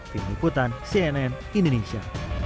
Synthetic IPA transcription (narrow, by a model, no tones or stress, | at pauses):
d̪̥inikut̪ansiɛnɛn | ind̪onesia̰